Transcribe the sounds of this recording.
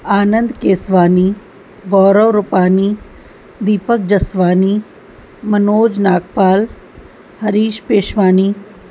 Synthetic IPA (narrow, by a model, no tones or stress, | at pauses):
aːnənd̪keːsʋaːni | ɡɔːɾəʋɾʊpaːniː | d̪iːpək̚d͡ʒɐsʋaːniː | mɐnoːd͡ʒnaːk̚paːl | hɐɾiːʃpeːʃʋaːniː